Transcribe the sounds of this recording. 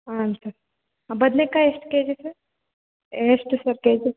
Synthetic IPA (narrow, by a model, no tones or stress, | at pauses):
ansɐɾ | abɐd̪nekaesʈked͡ʒesɐɾ | eːsʈsɐɾked͡ʒe